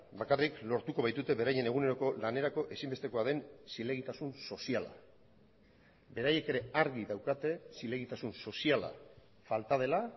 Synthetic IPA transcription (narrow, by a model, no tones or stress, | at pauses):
bakariklo̞ɾt̪uko̞β̞ajt̪ut̪e̞βe̞ɾaje̞ne̞ɣ̞une̞ɾo̞ko̞lane̞ɾako̞ʔe̞simbe̞st̪e̞ko̞aðe̞nsile̞ɣ̞it̪asunso̞siala̰ | be̞ɾaje̞ke̞ɾe̞aɾɣiðawkat̪e̞sile̞ɣ̞it̪asunso̞siala̰ | falt̪að̞e̞la